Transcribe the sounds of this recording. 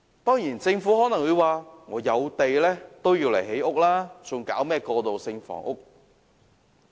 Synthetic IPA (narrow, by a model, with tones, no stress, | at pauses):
t̪ɔː˥ŋjiː˨˩nt͡sɪ˧ŋfuː˨˥hɔː˨˥nɐ˨˩wu˨˧waː˨˧ŋɔː˨˧jɐ˨˧wt̪e˨jlɛː˥t̪o˥wjiː˧wle˨˩jhe˨˥jʊ˥k̚laː˥t͡sʊ˨˧ŋkaː˨˥wmɛː˥˩kɔː˧t̪o˨wsɪ˧ŋfɔ̰ː˨˩ŋʔʊ˥k̚